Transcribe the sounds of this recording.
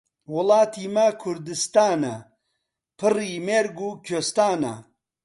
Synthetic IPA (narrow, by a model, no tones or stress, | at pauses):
wʊlɑːt̪ʰimɐkʰʊɾd̪ɨst̪aːnɐ | pʰɨriːmeɾɡukʰost̪aːnɐ̰